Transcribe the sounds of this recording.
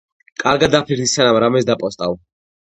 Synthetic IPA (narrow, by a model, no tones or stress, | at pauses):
kʼaɾɡad̪apʰiɾd̪isanamɾamɛsd̪apʼɔst̪ʼaw